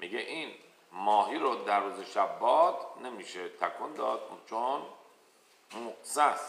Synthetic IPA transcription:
miɟeʔin | mɒːɦiːɾod̪æɾːuːzeʃæbːɒːd̪ne̞miːʃet̪ʰækʰond̪ɒːd̪t͡ʃʰon | mosæs

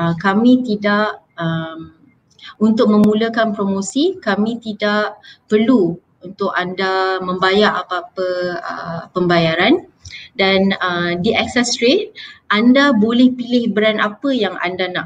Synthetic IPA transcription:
əkamĩt̪idaʔ | əm | unt̪ʊk̚mə̃muləkanpɾomosikamĩt̪idaʔpərlu | unt̪ʊkandamə̃mbajaɾapaːpəə̰pəmbajaɾan | danədiʔɛksɛsɾet̪̚ʔandabolɛhpilɪhbəɾana̰pəjaŋʔa̰ndanaʔ

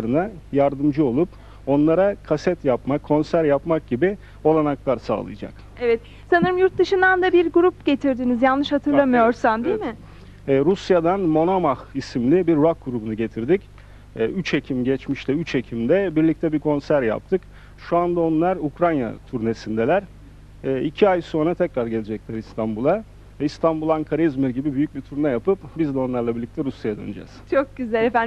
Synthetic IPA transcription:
ɾɯnajaɾd̪ɯmd͡ʒɯo̞lˠup | o̞nlˠaɾakʰasɛt̪japmakʰːo̞nsæɾjapmak̚ɟibi | o̞lˠanaklˠaɾsa̰ːlˠɯ̰jd͡ʒa̰k | ɛvɛt̪ | sanɯɾɯmjuɾt̪̚d̪ɯʃɯnd̪and̪abiɾɡuɾupɟ̥e̞t̪ʰiɾd̪iːnizjalˠːɯʃhat̪ʰɯɾlˠamɯjo̞ɾsamd̪ijmɪ | ɛːɾusjad̪anmo̞namahisimlʲibiɾːok̚ɡuɾubunuɟe̞t̪ʰiɾd̪icː | yt͡ʃʰe̞cʰimɟɛt͡ʃmiʃlɛyt͡ʃʰe̞cʰimd̪ɛbiɾlʲic̚t̪ʰɛbikʰo̞nsæɾja̰p̚t̪ʰɯk | ʃuand̪ao̞nlˠaɾukɾanja̰t̪ʰuɾne̞sind̪ɛlʲæɾ̥ | ɛːicʰiajso̞nɾat̪ʰɛcɾaɾɟelʲed͡ʒɛc̚lʲæɾist̪ʰanbulˠa | ɛist̪ʰanbulˠaŋkʰaɾizmiɾɟibibyjyc̚bit̪ʰuɾnɛjapɯp̚bizd̪ɛo̞nlˠaɾlˠabiɾlʲic̚t̪ʰɛɾusjajad̪ø̰nyd͡ʒɛ̰z̥t͡ʃʰok̚ɟyzɛlefæ

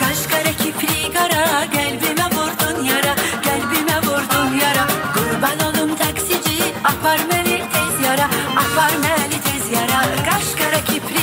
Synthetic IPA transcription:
ɡ̥aʃkaɾacʰipʰɾiɡaɾaɡɛlʲbimɛvuɾd̪unjaɾaɟ̥ɛlʲbimɛvuɾd̪unjaɾaɡ̥uɾbalalˠɯmt̪ʰaksid͡ʒiafaɾmɛlʲit̪ʰɛzjaɾaːfaɾmɛlʲit̪ʰɛzjaɾaɡaʃkaɾacʰipʰɾi

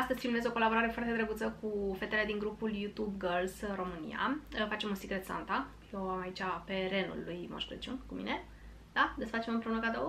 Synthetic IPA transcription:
ast̪əzʲfimlue̞zo̞ko̞labo̞ɾaɾe̞foart̪ed̪ɾeɡut̪səkufe̞t̪ele̞d̪iŋɡɾupuljut̪ubɡəlsɾo̞mɨnḭa̰əfat͡ʃe̞munsikɾe̞t̪sa̰nt̪a | jewamait͡ʃʲape̞ɾe̞nṵlːujmo̰ʃkuɾḛt͡ʃunkumḭne̞ | d̪ad̪esəfat͡ʃe̞mənpɾe̞unəkad̪əwə

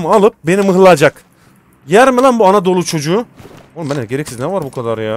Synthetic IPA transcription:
malˠɯp̚be̞nimɯɦlˠaad͡ʒak | jæɾmelʲænbuanad̪o̞lˠut͡ʃʰo̞d͡ʒuu | olˠmɛnɛɟeɾɛcsiznɛvaɾbukʰad̪aɾja

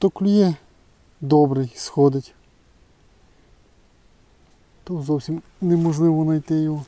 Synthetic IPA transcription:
t̪ɔklʲʊjɛ | d̪ɔbɾɪjsxɔd̪ɪtʲ | t̪ɔzɔwsʲim | nɛmɔʒlˠɪʋɔnɐjt̪ɪju

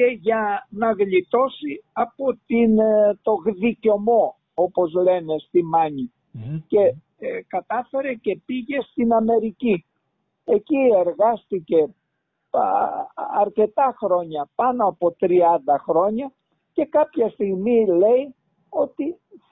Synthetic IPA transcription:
eʝɐnɐɣʎit̪o̞siɐpo̞t̪int̪o̞ɣðico̞mo̞ | o̞po̞zle̞ne̞st̪imɐɲi | ce̞ | kɐt̪ɐfe̞ɾe̞ce̞piʝe̞st̪inɐme̞ɾici | e̞cie̞ɾɣɐst̪ice̞ | ɐɾce̞t̪ɐxɾo̞ɲɐpɐnoɐpo̞t̪ɾiɐnd̪ɐxɾo̞ɲɐ | ce̞kɐpçɐst̪iɣmile̞i | o̞t̪i

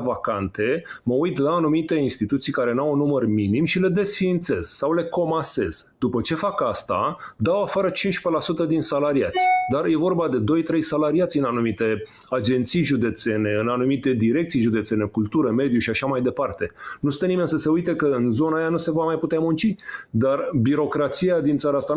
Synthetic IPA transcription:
vakant̪e̞məujt̪laːnumit̪e̞inst̪it̪ut̪sijkaɾe̞nawunːumərminimʃile̞d̪e̞sfiːnt̪se̞z̥sawle̞ko̞mase̞z̥d̪upət͡ʃe̞fakast̪a̰ | d̪awafaɾət͡ʃinʃpe̞lasut̪əd̪insalaɾiat̪sʲd̪arje̞vo̞rbad̪e̞d̪o̞jt̪ɾe̞jsalaɾiat̪sʲɨnanumit̪e̞ | ad͡ʒe̞nt̪sijʒud̪e̞t̪se̞ne̞ɨnanumit̪e̞d̪iɾe̞k̚t̪sijʒud̪e̞t̪se̞nekult̪uɾəme̞d̪juʃiaʃamajd̪e̞part̪e̞nusɨenimensəse̞ujt̪e̞kəɨnzo̞naːjanuse̞vamajput̪eamunt͡ʃid̪arbiɾo̞kɾat̪siad̪int̪saɾaast̪a

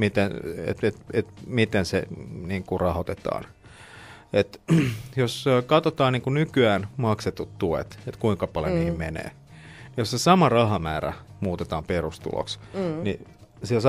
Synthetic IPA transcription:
mit̪enḛt̪et̪et̪mit̪enseniːŋkurɑhot̪et̪ɑ̰ːn | et̪joskɑt̪ot̪ɑːnniːŋkunykyæːnmɑkset̪ut̪t̪uḛt̪et̪kuiŋkɑpɑljo̰niːmmenḛː | nijosesɑmɑrɑɦɑmæːræ̰muːt̪et̪ɑːmperust̪ṵlo̰ksnisies

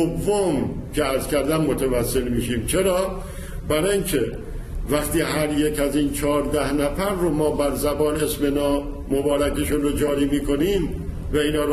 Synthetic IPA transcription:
ovːom | cʰeæɾzkʰæɾd̪æmːot̪ʰevæsːe̞lmiːʃiːmt͡ʃʰe̞ɾɒː | bæɾɒiŋkʰe | væxt̪iːhæɾjekʰæziːnt͡ʃʰɒːɾd̪æhnæfæɾːomɒːbæɾzæbɒːne̞smenɒː | mobɒːɾækeʃunɾod͡ʒɒːɾiːmiːkʰo̞niːm | væiːnhɒːɾ

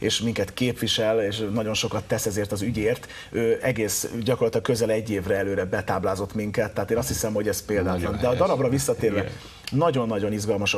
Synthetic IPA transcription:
eːʃmiŋkɛt̪keːpʋiʃɛleːʃnɒɟo̞nʃo̞kɒt̪ːɛsɛzeːrt̪ɒzyɟeːrt̪ | øːʔɛɡeːsɟɒkorlɒt̪lɒk̚køzɛlɛɟːeːvrɛɛløːɾɛbɛt̪aːblaːzo̞t̪miŋkɛt̪ːɛɦat̪eːnɒst̪hisɛmho̞ɟɛspeːld̪aːtɒnd̪ɛɒd̪ɒɾɒbrɒvisːɒt̪eːɾɛ | nɒɟo̞nːɒɟo̞nizɡɒlmɒʃ

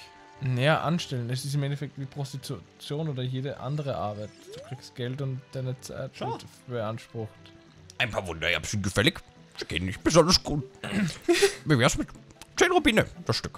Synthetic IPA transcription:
nɐjaːʔa̰nʃtɛlənɛs̬ɪstɪmɛntɛfɛk̚tviːpʁ̥ostitut͡sjoːnoːdɐjeːdəʔa̰ndəʁəʔa̰ɐbaɪtd̥uːkʁ̥ikst̚ɡ̥ɛltʊntd̥aɪnət͡sa̰ɪtvɪt | b̥əanʃpʁ̥ʊxt | ʔaɪnpʰaːɐvʊndɐja̰ːbsɪnt̚ɡ̥əfɛlɪç | z̥iɡ̥ḛnɪçt̚b̥əzɔndɐsɡ̥uːt | viɐvɛːɐsmɪtt͡seːnʁobiːnəd̥asʃtʏk

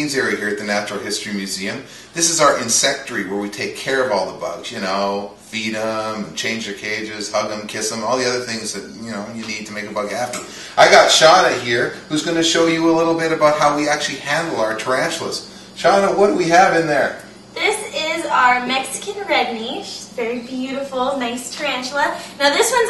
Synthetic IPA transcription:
ĩnzəɹɨɦiɹɨt̪̚ðɨnæt͡ʃɹl̩ˠhɪstɹ̥imjʉziɨ̃m | ðɪsɨzaʊə˞ʔɨ̃nsɛk̚tə˞iwə˞witʰeɪkʰːɛɹʌvɔlˠðəbʌ̰ɡz̥jɨnoʊ | b̥iɾə̃mt͡ʃʰẽɪ̃nd͡ʒə˞kʰeɪd͡ʒɪz̥hʌɡə̃mkʰɪsə̃mɔlˠðiʌðə˞θɪ̃ŋzðɨt̚jɨnoʊjɨnid̚tʰɨmeɪkəbʌɡæpi | ʔaɪɡɑtʃɑɾɨhiɹhʉzɡʌnɨʃoʊjɨəlɪɾl̩ˠbɪɾɨbaʊt̚ɦaʊwiæk̚t͡ʃʉl̩ˠihæ̃ndˡl̩ˠaʊə˞tʰɹ̥æ̃nt͡ʃlə̰z̥ | ʃɑnəwʌt̚wiɨvɨ̃nðə˞ | ðɪsɪzaʊə˞mɛksɨ̥kɨ̃nɹɛdⁿniʃvɛɹibjʉɾəfl̩ˠnaɪstʰɹ̥æ̃nt͡ʃlənaʊðɪswʌ̃n

